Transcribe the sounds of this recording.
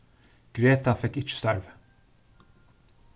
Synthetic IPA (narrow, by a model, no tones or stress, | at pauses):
ɡ̥ɾeːt̪afɛkːɪt͡ʃːə̥st̪æɾv